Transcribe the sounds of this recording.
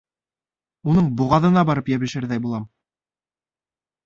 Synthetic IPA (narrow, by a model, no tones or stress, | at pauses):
unɤɴbuʁɑðɤ̆nɑbɑɾɤpjæβɘ̆ʃɘɾðæjbulˠɑm